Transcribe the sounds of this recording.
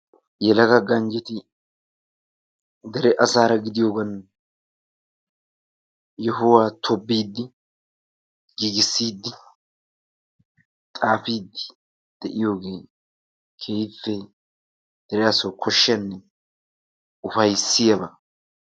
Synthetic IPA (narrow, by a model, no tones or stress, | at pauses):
jɛlɐɡɐɡɐnd͡ʒɪt̪ɪ | d̪ɛɾɛʔɐsaːɾɐɡɪd̪ɪjoːɡɐn | jɛɦʊwaːt̪ʰɔbːiːd̪ːɪ | ɡiːɡɪsːiːd̪ːɪ | t̪ʼaːfiːd̪ɪ̥ | d̪̥ɛʔɪjo̞ːɡe̞ː | kʰeːjfːɛ | d̪̥ɛɾɛɐsɔwkʰɔʃːɐnːɛ | ʊfɐjsːɪjɐbɐ